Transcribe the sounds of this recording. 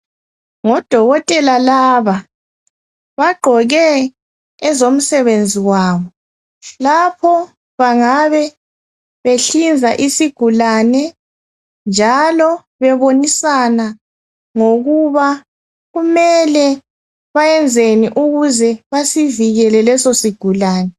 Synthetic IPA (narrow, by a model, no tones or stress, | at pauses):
ŋɔd̥ʱɔɣɔtʼɛlalaːβa | βaɡ͡ǃʱɔɣɛ | ɛzom̩sɛβend͡zʱiwaːβɔ | lapʰɔ | βaŋaβɛ | βeɬind͡zʱaʔisiɡ̥ʱulanɛ | nd͡ʒʱalɔ | βɛβonisana | ŋoɣuβa | ɣumɛlɛ | βajɛnd͡zʱeniʔuɣuzɛβasiviɣɛlɛlɛsosiɡ̥ʱulaːnɛ